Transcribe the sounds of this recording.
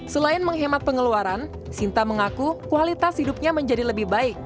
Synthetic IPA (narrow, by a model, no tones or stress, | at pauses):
səlaɪnməŋɦemat̪̚pəŋəluaɾan | sint̪aməŋakukualit̪ashidup̚ɲaməɲd͡ʒadiləbɪhbaɪk̚